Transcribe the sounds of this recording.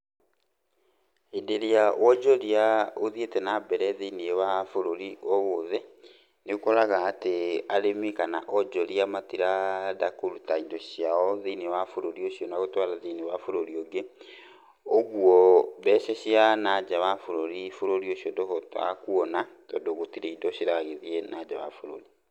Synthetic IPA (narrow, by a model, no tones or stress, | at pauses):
edeɾiawɔd͡ʒɔɾiaoðietɛnabɛɾɛðiniewafoɾoɾiɔɣoðɛ | neokoɾaɣaːteaɾemikanaʔɔd͡ʒɔɾiamatiɾadakolutaidɔɕiaɔðiːniwafoɾoɾioɕiɔnaɣotwaɾaðiːniwafoɾoɾioɡe | oɣwɔβɛːʃɛɕianad͡ʑawafoɾoɾifoɾoɾioɕiɔdɔfɔta̰kuɔna | tɔdoɣotiɾeidɔɕiɾaɣeðienad͡ʒawa̰foɾo̰ɾi